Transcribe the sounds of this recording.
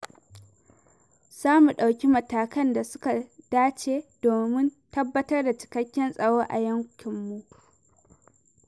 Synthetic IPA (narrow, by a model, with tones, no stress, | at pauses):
saː˦mu˨ɗa˨wkʲi˦mɐ˨taː˨kɐ˦nda˨sʊ̥˦ka˨d̥aː˦t͡ʃeː˦d̥oː˨mɪ˦ntɐ˦bːɐ˦tɐ˦rda˨t͡ʃɪ̥˨kɐ˦kʲːɛ˦nsʼɐ˨ɽoː˦ʔa̰˨jɐ˦ŋkʲɪ˨mːu˦